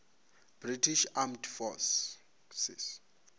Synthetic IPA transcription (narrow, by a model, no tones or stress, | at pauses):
b̥ritʰiʃamtʰfɔs | sḭs